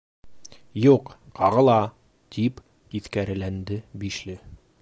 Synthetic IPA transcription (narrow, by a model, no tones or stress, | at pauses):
juqqɑʁɤ̆lˠɑ | t̪ʰip | iθkæɾɘ̆lænd̪ɘbiʃlɘ